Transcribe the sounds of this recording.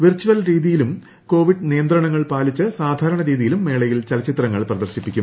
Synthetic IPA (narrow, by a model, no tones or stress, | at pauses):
ʋirt͡ɕːuʋɐlɾiːðijilum | ko̞ːʋiɖnijɐnd̪rɐɳɐŋːɐɭpaːlit͡ɕːɐsaːd̪ʱaːɾɐɳɐɾiːðijilumːe̞ːɭɐjilt͡ɕɐlɐt͡ɕit̪rɐŋːɐɭprɐðɐrɕipːikʲːum